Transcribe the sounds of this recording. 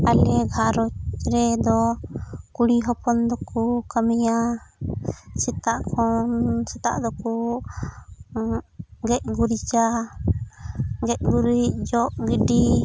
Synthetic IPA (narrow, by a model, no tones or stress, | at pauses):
alɛɡʱaɾɔt͡ʃɾɛd̪ɔ | kuɽiɦɔpɔnd̪ɔkukamija | sit̪aʔkʰɔnsɛt̪a̰ʔd̪ɔku | ɡɛc̚ɡuɾit͡ʃa | ɡɛc̚ɡuɾic̚d͡ʒɔʔɡiɖi